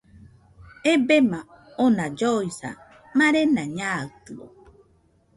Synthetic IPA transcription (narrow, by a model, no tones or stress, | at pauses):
ebema | onad͡ʒojsa̰ | maɾenaɲaɯt̪ɯo̰